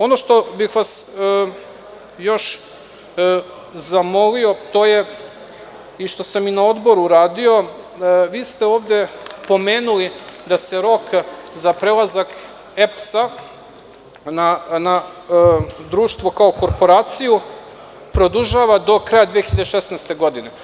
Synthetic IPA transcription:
o̞no̞ʃt̪o̞bixʋas | jo̞ʃ | zamo̞lio̞t̪o̞ːje̞ | iʃt̪o̞saminao̞d̪bo̞ɾuɾaːd̪io̞ | ʋiːst̪e̞o̞ːʋd̪e̞po̞meːnulid̪aseɾo̞kzapɾelˠazak | efsa | nana | d̪ɾuːʃt̪ʋo̞kao̞ko̞ɾpo̞ɾaːt̪siju | pɾo̞d̪uʒaʋad̪o̞kɾajad̪ʋiexiʎad̪eʃesnast̪e̞ɡo̞d̪ine

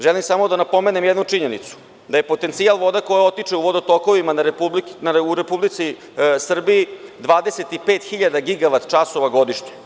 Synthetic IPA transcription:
ʒelimsamo̞d̪anapo̞meːnemjed̪nut͡ʂiɲe̞nḭt̪su̥ | d̪aje̞po̞t̪ent̪sialˠʋo̞d̪ako̞jao̞t̪it͡ʂeuʋo̞d̪ot̪oko̞ʋimanaɾeublinauɾepublit̪si | sr̩biid̪ʋaːd̪eset̪ipeːt̪xiʎad̪aɡiɡaʋat̪t͡ʃaso̞ʋaɡo̞d̪iʃɲe

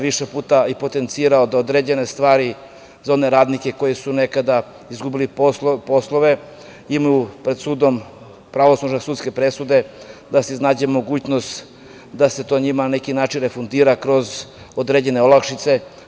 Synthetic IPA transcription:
ʋiʃepuːt̪aipo̞t̪e̞nt̪siːɾaod̪aod̪ɾeːd͡ʑe̞ne̞st̪ʋaːɾi | zaone̞ɾaːd̪nike̞ko̞jesune̞kad̪a | izɡubilipo̞slˠoʋe̞ | imajupɾed̪suːd̪o̞m | pɾaʋoslˠoʒnasuːt̪ske̞pɾesud̪e̞d̪aseznaːd͡ʑemo̞ɡuːt͡ɕnost̪ | d̪ase̞t̪o̞ːɲimananekinaːt͡ʃinɾe̞fund̪iːɾakɾo̞z | od̪ɾed͡ʑe̞neolakʃit̪se̞

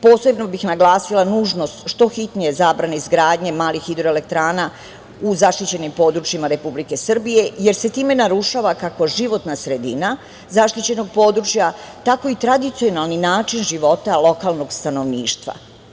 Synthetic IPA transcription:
po̞ːse̞bno̞bixnaɡlˠaːsilˠanuːʒno̞st̪ʃt̪o̞xit̪nijezaːbɾanaizɡɾaːd̪ɲe̞maːlixid̪ɾoele̞k̚t̪ɾaːna | uzaʃt̪it͡ɕe̞nimpo̞d̪ɾut͡ʃjimaɾe̞publike̞sr̩bije̞je̞ɾse̞t̪iːme̞naɾuʃaʋakako̞ʒiʋo̞t̪nasɾe̞d̪ina | zaʃt̪it͡ɕe̞no̞ɡ̚po̞ːd̪ɾut͡ʃja | t̪ako̞it̪ɾad̪it̪sio̞nalˠninaːt͡ʃinʒiʋo̞t̪alˠo̞kaːlˠno̞ɡst̪ano̞ʋniːʃt̪ʋa̰

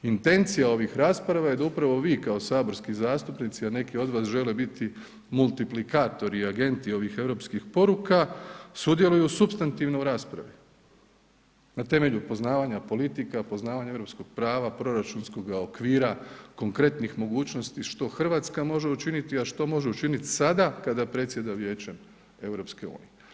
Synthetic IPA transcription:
int̪e̞nt̪sijao̞ʋixɾaːspɾaʋaje̞d̪aupɾaʋo̞ʋiːkao̞saːbo̞ɾskizaːst̪upnit̪siane̞kio̞d̪ʋaːsʒe̞lebit̪i | mulˠt̪iplikaːt̪o̞ɾiaɡe̞nt̪io̞ʋixe̞ʋɾo̞pskixpo̞ɾukasud̪je̞lujusubst̪ant̪iʋnouɾaːspɾa̰ʋi | nat̪e̞me̞ʎupo̞znaːʋaɲapo̞lit̪ikapo̞znaːʋaɲaeɾopsko̞ɡ̥̚pɾaːʋapɾo̞ɾat͡ʃunsko̞ɡao̞kʋiːɾako̞ŋkɾe̞t̪nixmo̞ɡuːt͡ʃno̞st̪iʃt̪o̞xr̩ʋaːt̪skamo̞ʒe̞ut͡ʃinit̪iaʃt̪o̞mo̞ʒeut͡ʃinit̪i̥sad̪akad̪apɾe̞t̪sje̞d̪aʋje̞ːt͡ɕe̞m | e̞wɾo̞pske̞ṵːnḭje

